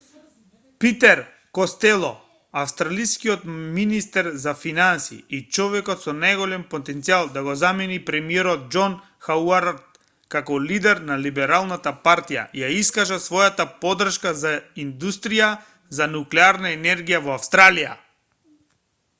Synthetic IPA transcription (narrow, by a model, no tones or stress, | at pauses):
pit̪ɛɾ | kɔst̪ɛlˠɔ | afst̪ɾalijskiɔt̪minist̪ɛɾzafinansḭːt͡ʃɔvɛkɔt̪sɔnajɡɔlɛmpɔt̪ɛnt̪sialˠd̪aɡɔzamɛnipɾɛmiɛɾɔt̪̚d͡ʒɔn | xauaɾt̪̚ | kakɔlid̪ɛɾnalibɛɾalˠnat̪apaɾt̪ija̰jaiskaʒasvɔjat̪apɔd̪r̩ʃkazaind̪ust̪ɾija | zanuklɛaɾnaɛnɛɾɡijavɔafst̪ɾalija̰